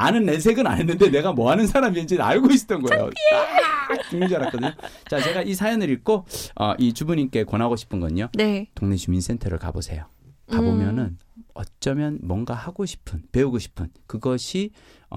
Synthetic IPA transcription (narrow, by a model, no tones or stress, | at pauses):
anɯnːes̬ʰe̞ɡɯna̰nɦenːɯnde̞ne̞ɡamʌɦanɯns̬ʰaɾamiind͡ʑina̰ɭɡoist͈ʌnɡʌḛjo̰at͡ɕuŋd͡ʑʌɾak͈ʌdɯɲːot͡ɕat͡ɕe̞ɡaʔisʰajʌnɯɾik͈oʌ̰ʔit͡ɕubuɲink͈e̞konɦaɡoɕʰi̥pʰɯnɡʌɲonetoŋne̞t͡ɕuminsʰe̞ntʰʌɾɯ̰ɭka̰bo̰sʰe̞̰jo | kabomjʌnɯnʌ̰t͡ɕ͈ʌmjʌnmwʌnɡahaɡoɕʰi̥pʰɯnpe̞uɡoɕʰi̥pʰɯnkɯɡʌɕʰḭ